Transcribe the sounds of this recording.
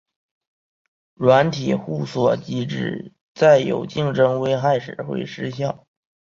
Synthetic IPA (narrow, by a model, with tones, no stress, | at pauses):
ɻwa˧˥nt̪ʰi˨˩xu˥˩swɔ˨˩t͡ɕi˥ʈ͡ʂɻ̩˥˩ | t͡sa˥˩ɪjo̰˨˩ʊt͡ɕi˥˧ŋʈ͡ʂɤ˥ŋwe˥ɪxa˥˩ɪʂɻ̩˨˩xwḛ˥˩ɪʂɻ̩˥ɕjɑ˥˩ʊ